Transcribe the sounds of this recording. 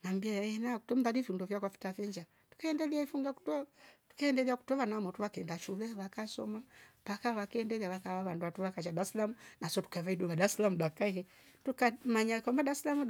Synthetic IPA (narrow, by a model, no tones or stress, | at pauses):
nambiajɛnaku̥tɔm̩ðalifundɔvjakwafi̥tafɛɲd͡ʒa | tu̥kaɛndɛliaifuŋɡaku̥tɔtu̥kaɛndɛliaku̥tɔβanamɔtuβakɛndaʃulɛβakasɔ̰mabakaβakiɛndɛliaβakaβaβanduatuβakat͡ʃadaslamunasɔtu̥kaβaiduβadaslamudakaikɛ | tukamaɲakambadaslamu